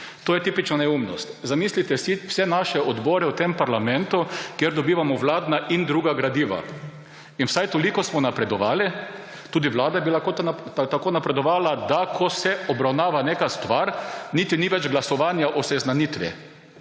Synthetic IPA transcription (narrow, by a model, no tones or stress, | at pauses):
t̪oːjɛt̪iːpit͡ʃnanɛumnɔst̪zamiːslit̪ɛsiwsɛnaʃɛɔd̪bɔːɾɛut̪empaɾlamɛnt̪ukjeɾd̪ɔbiːʋamɔʋlaːd̪naʔind̪ɾuːɡaɡɾad̪iːʋa̰ | inwsajt̪ɔlikɔsmɔnapɾɛd̪ɔʋaːli | t̪uːd̪iʋlaːd̪ajɛbilakot̪akoːnapɾɛd̪ɔʋaːlad̪akʰɔsɛɔbɾawnaːʋaneːkast̪ʋaɾnit̪iniʋɛd͡ʒɡlasɔʋaːnjaʔɔsɛznanit̪ʋɛ̰